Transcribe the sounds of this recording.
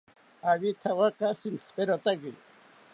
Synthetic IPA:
aβit̪ʰawakasint͡sʰpɛɾɔt̪aɡi

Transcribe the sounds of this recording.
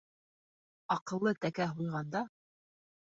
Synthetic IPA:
ɑqɤ̆lˠːɤt̪ækæɦujʁɑnd̪ɑ

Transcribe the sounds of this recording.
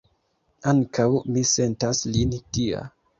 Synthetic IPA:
aŋkawmise̞ntaslintia̰

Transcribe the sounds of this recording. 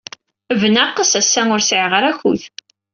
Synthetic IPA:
vənaqːəsæsːæŋʊɾsʕʁəɾæçṵθ

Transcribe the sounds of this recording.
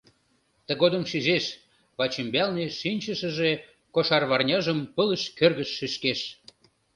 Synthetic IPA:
t̪ə̆ɣod̪əmʃyzeʃ | βɑt͡ɕembɑlneʃinʲt͡ɕəʃə̆ʒe | koʃɑrβɑrnʲɑʒəmpələʃkørɣəʃːeʃkeʃ

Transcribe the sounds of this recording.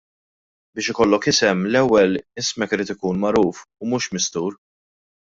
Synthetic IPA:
bɪːʃɪkɔlːɔkɪsɛmlɛwːɛlɪsmɛkɪɾiːt̪ɪkuːnmɐɾuːfʊmuːʃmɪst̪uːɾ

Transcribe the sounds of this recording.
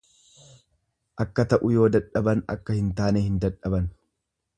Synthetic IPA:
ʔɐkːɐt̪ɐʔʊjo̞ːd̪ɐᶑɐbɐnɐ̰kːɐhɪnt̪aːneːhɪnd̪ɐᶑɐbɐn

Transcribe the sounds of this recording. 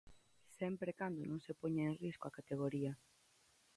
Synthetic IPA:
sɛmpɾekand̪onõŋsepoɲaeŋriskoakat̪eɣ̞oɾiɐ

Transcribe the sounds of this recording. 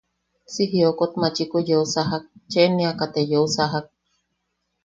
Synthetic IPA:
siɦiokot̪mat͡ʃikojousaɦak̚t͡ʃenĩakat̪ejousaɦak̚

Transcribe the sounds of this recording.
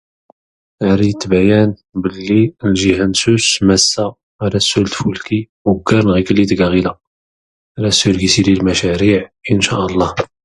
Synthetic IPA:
ʕɾit̪ːbæjæn | bəlːilʒihænsusmæsːa | ʕaɾæsːult̪fulki | wɡːɑɾnɣikəlːit̪ɡæɣila | ʕɾæsːʊlɡisililmæʃæɾiʕənʃæʔəlˤːɑh

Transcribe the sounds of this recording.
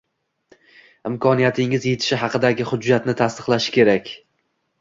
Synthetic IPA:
ɪmkʰɒnijat̪ʰɪŋɪzje̞t̪ʰɪ̥ʃɪɦɑqɨd̪aɡʲɪhʊd͡ʒːat̪nɪt̪ʰast̪ɨ̥qlˠaʃɪ̥kʲʰe̞ɾakʲ

